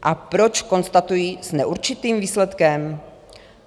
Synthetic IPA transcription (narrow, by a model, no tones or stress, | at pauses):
ʔapɾo̞t͡ʃko̞nst̪at̪ujisnɛʔuɾt͡ʃɪt̪iːmviːslɛt̪kɛm